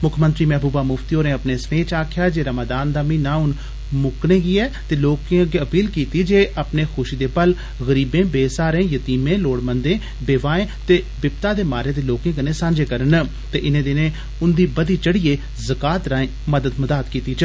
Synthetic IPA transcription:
mʊkʰmə̃nt̪ɾiːmɛɦbuːbaːmʊft̪ioːnẽːəpneːsneːt͡ʃaːkʰɪjaːd͡ʒeːɾəməd̪aːnd̪aːmĩːnãːʊn | mʊknẽːɡiːɛːt̪eːloːkẽɡeəpiːlkiːt̪iːd͡ʒeːʔəpneːxʰʊʃiːd̪eːpəl | ɣəɾiːbẽːbeːsaːɾẽːjət̪iːmẽːloːɽmənd̪ẽː | beːʋaːẽːt̪eː | bɪp̚t̪aːd̪eːmaːɾẽːd̪eːloːkẽːkənẽːsãːnd͡ʒeːkəɾən | t̪eːʔɪnẽːd̪ɪnẽː | ʊnd̪iːbəd̪iːt͡ʃəɽiːeː | zəkaːt̪ɾãːẽː | məd̪əd̪məd̪aːt̪kiːt̪iːt͡ʃ

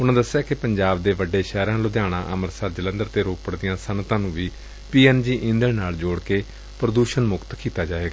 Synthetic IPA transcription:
ʊnãːd̪əsɪjaːkɪpəɲd͡ʒaːbd̪eːʋəɖːeːʃɛːɾãːloːd̪jaːɽ̃ã̰ːʔəməɾsəːɾd͡ʒələ̃nd̪əɾt̪eːɾoːpəɽd̪ɪjãːsənt̪ãːnũːʋiː | piːɛːnd͡ʒiːʔɪ̃nd̪əɽnaːld͡ʒoːɽkeː | pɾəd̪uːʃənmʊkt̪kiːt̪aːd͡ʒaːʋeːɡaː

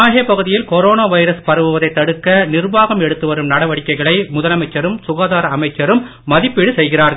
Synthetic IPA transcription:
aːɣeːpɐɣɯðɪjɪlkɔɾoːnaːʋɐɪɾɐspɐɾɐʋɯʋɐðɐɪt̪ːɐɽɯkːɐnɪrʋaːɣɐmɛɽɯt̪ːɯʋɐɾɯmnɐɽɐʋɐɽɪkːɐɪɣɐɭɐɪmʊðɐlɐmɐɪt͡ʃːɐɾɯmsʊɣaːðaːɾɐɐmɐɪt͡ʃːɐɾɯmː | ɐðɪpːɪɽɯsɛjɣɪraːɾɣɐ

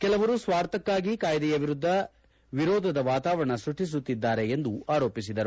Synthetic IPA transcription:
kɛlɐʋɐɾusʋaːɾt̪ɐkːaːɡikaːjd̪ɛjɐʋiɾud̪ʱːɐ | ʋiɾɔːd̪ʱɐd̪ɐʋaːt̪aːʋɐɾɐɳɐsuʈis̬ut̪ːid̪ːaːɾe̞end̪uaːɾo̞ːpisid̪ɐɾu

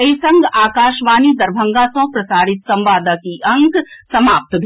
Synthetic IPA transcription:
əjsɐ̃ŋɡaːkaːʃʋaːnid̪ɐɾbʱɐ̃ŋɡasɐ̃ːpɾɐsaːɾɪt̪sɐ̃mʋaːd̪akiʔɐŋksɐmaːp̚t̪bʱ

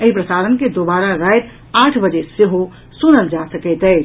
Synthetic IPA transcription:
əɦipɾəsaːɾənked̪obaːɾaɾajt̪ | aːʈʰbəd͡ʒeseɦo | sʊnəld͡ʒasəkɛt̪ɦɛː

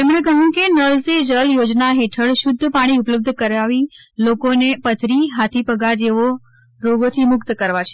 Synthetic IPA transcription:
t̪emɳ̃ekəjũkenəɭsed͡ʒəljod͡ʒnaɦeʈʰəɭʃʊd̪ʱːəpaɽ̃iʊpləb̚d̪ʱkəɾaʋilokonepət̪ʰɾiɦat̪ʰipəɡaɾd͡ʒeʋo | ɾoɡot̪ʰimʊkt̪kəɾʋat͡ʃʰe̥

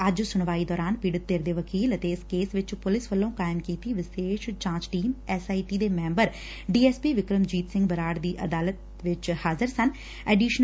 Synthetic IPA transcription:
əd͡ʒsʊɳ̃ʋaːiːd̪ɔːɾaːnpiːɽət̪̚ːeːɾd̪eːʋəkiːlət̪eɪskeːsʋɪt͡ʃpʊlɪsʋəlːõːkaːɪmkiːt̪iːʋɪʃeːʃt͡ʃãːt͡ʃʈiːmɛːsaːiːʈiːd̪eːmɛ̃ːmbəɾ | ɖiːɛːspiːʋɪkɾəmd͡ʒiːt̪sɪ̃ŋɡbəɾaːɽd̪iːʔə̰d̪aːlət̪ | ʋɪt͡ʃhaːzəɾsən | ɛːɖiːʃn

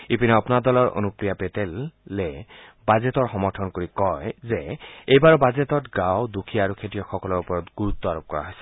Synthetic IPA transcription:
ipinɛɔpunaɹdɔlɔɹʔo̰nupɹijapetelːebazetɔɹxɔmɔɹtʰɔnkoɹikɔjzeejbaɹɔbazetɔtɡawdukʰiaaɹukʰetijɔxɔkɔlɔɹupɔɹɔtɡuɹut̪ːɔaɹop̚kɔɹa̰ɦojsɛ̥

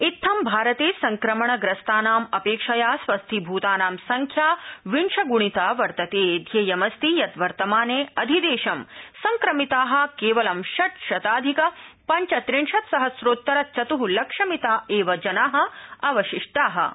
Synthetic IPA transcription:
it̪ʰːɐmbʱaːɾɐt̪eːsɐŋkɾɐmɐɳɐɡɾɐst̪aːnaːmɐpeːkʂɐjaːsʋɐst̪ʰibʱuːt̪aːnaːmsɐŋkʰjaːʋiɳʂɐɡuɳ̃it̪aːʋɐɾt̪ɐt̪eːd̪ʱjeːjɐmɐst̪ijɐt̪ʋɐɾt̪ɐmaːneːɐd̪ʱid̪eːʃɐmsɐŋkɾɐmit̪aːɦɐ̆keːʋɐlɐmʃɐʈʃɐt̪aːd̪ʱikɐpɐɲt͡ʃɐt̪ɾiɳʂɐt̪sɐɦɐsɾoːt̪ːɐɾɐt͡ʃɐt̪uɦulɐkʂɐmit̪aːeːʋɐd͡ʒɐnaːɦɐ̆ɐʋɐʃiʂʈaːɦɐ̰

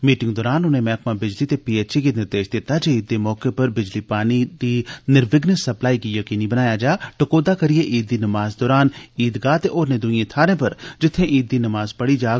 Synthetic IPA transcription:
miːʈɪ̃ŋɡd̪ɔːɾaːnʊnẽmɛːkmãbɪd͡ʒlit̪epiːeːt͡ʃikinɪɾd̪eːʃd̪ɪt̪ad͡ʒeiːd̪ːemɔːkepɐɾbɪd͡ʒlipaːnid̪inɪɾʋɪɡnesɐplaːikijɐkiːnibɐnaːjad͡ʒaːʈɐkoːd̪akɐɾijeʔiːd̪ːinɐmaːzd̪ɔːɾaːniːd̪ɡaːt̪eʔɔːɾned̪uĩẽt̪ʰaːɾẽpɐɾd͡ʒɪt̪ʰːẽʔiːd̪ːinɐmaːzpɐɽid͡ʒaː

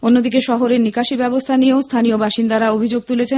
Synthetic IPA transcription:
onːod̪ikeʃɔɦoɾeɾnikaʃibɛbost̪ʰanieost̪ʰaniobaʃind̪aɾaobʱid͡ʑoɡ̚t̪ulet͡ɕʰe

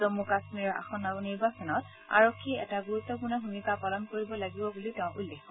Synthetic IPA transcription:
zomukasmiɹɔɹʔa̰xɔnaɡɔniɹbasɔnɔt | a̰ɹokʰːiɛ̰taɡuɹut̪ːɔpunabʱumikapalɔnkoɹibɔlaɡibɔbulitɛʊ̃ʔulːexɔ

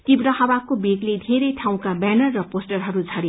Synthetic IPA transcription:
t̪ibɾʌhabakobeɡled̪ʱeɾʌjʈʰaw̃kabɛnʌrːʌposʈʌrɦʌɾud͡zʱʌɾe

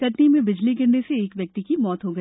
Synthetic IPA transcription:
kɐʈnimẽbɪd͡ʒliɡɪɾneseːkʋjɐk̚t̪ikimɔːt̪ɦoɡɐi

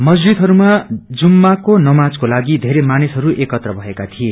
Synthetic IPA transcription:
mʌd͡zd͡zid̪ɦʌɾumad͡zumːakonʌmad͡zkolaɡid̪ʱeɾemanisɦʌɾuʔekʌt̪rʌbʱʌekat̪ʰie

